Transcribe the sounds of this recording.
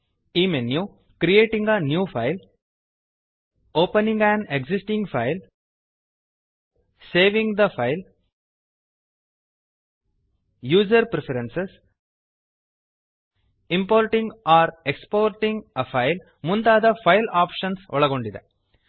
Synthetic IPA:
imenjuː | kɾieːʈɪ̃ŋɡɐnjuːfɐɪl | oːpɐnɪ̃ŋɡæ̃ɳɖeksɪsʈɪ̃ŋɡfɐɪl | seːʋɪ̃ŋɡd̪ɐfɐɪl | juːd͡ʒɐɾpɾɛfɐɾɛ̃nses | ɪ̃mpoːɾʈɪ̃ŋɡaːɾɛkspoːɾʈɪ̃ŋɡɐfɐɪl | mʊnd̪aːðɐfɐɪlaːpʃɐnsɔɭɐɣoɳɖɪðɐ̰

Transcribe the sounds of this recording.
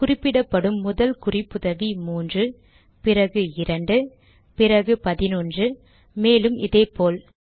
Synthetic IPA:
kʊrɪpːɪɽɐpːɐɽɯmːʊðɐlkʊrɪpːɯðɐʋimuːndrɯ | pɪrɐɣɯɪɾɐɳɖɯ | pɪrɐɣɯpɐðɪnuːndrɯ | meːlɯmɪ̰ðeːpoːl

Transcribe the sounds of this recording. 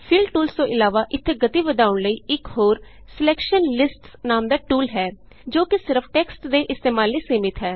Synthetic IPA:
pʰiːlɖʈuːlst̪õːʔɪlaːʋaːʔɪt̪ʰːeːɡət̪iːʋəd̪aːʊɳləiːɪkɦoːɾ | sɪlɛːkʃənlɪsʈsnaːmd̪aːʈuːlɦɛː | d͡ʒoːkɪsɪɾəpʰʈɛːksʈd̪eːʔɪst̪eːmaːlːiːseːmɪt̪ɦɛː

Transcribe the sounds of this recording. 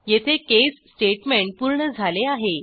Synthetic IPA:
jet̪ʰekesːʈeʈmeɳʈ̚puɾɳəd͡zʱaleaɦe

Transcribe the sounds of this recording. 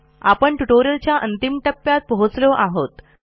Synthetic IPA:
a̰pəɳʈuʈoɾjəlt͡ɕjaʔənt̪imʈəpːjat̪̚pəɦut͡sloʔaɦot̪

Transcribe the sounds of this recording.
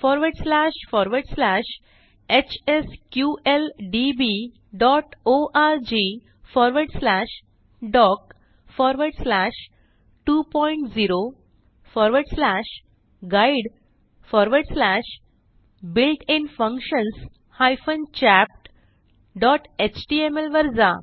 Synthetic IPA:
fɔɾʋəɾɖslæʃfɔɾʋəɾɖslæʃ | et͡ɕeskjuʔelɖibi | ɖɔʈoʔaɾd͡ʑi | fɔɾʋəɾɖslæʃ | ɖɔk | fɔɾʋəɖslæʃ | ʈuːpɔjiɳʈd͡ziɾo | fɔɾʋəɾɖslæʃ | ɡaiɽ | fɔɾʋəɾɖslæɕ | bilʈĩnfə̃ŋkɕəns | hajfənt͡ɕæp̚ʈ | ɖɔʈet͡ɕʈiemelʋəɾd͡za

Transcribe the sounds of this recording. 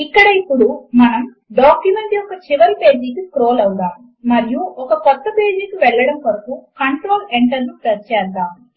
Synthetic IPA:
ikːɐɽɐipːuɽumɐnɐm | ɖaːkjumeɳʈ̪iɔkɐt͡ʃiʋɐɾipe̞ːd͡ʒiːkikɾoːlɐwudaːm | mɐɾijuɔkɐkɔt̪ːɐpeːd͡ʒiːkiʋɛɭːɐɽɐmpɐɾɐpukɐɳʈɾoːleɳʈɐɾnupɾɐst͡ʃɛːd̪aːm

